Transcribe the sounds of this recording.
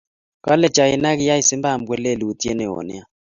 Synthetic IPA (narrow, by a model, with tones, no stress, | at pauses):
ka˦lɛ˦˨t͡ʃa˨jɪ˨na˦kɪ˦ja˦i˨sɪ˦mba˦˨mɡwɛ˦˨le˦˨li˨u˦ti˦e˦nɛ˨ɔ̰˨nɛ̰˦a˦